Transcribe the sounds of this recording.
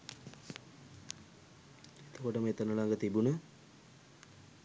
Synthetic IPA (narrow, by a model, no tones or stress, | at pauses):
et̪əkoʈəməet̪ənəlaŋɡət̪ibunə